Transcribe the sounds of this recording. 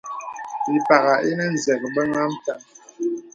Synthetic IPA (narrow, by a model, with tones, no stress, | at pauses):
i˨pa˨ɣa˨ʔi˦nɛ˦n̩˨zɛ˨k̚bə˦ŋa˦m̩˦ta˦˨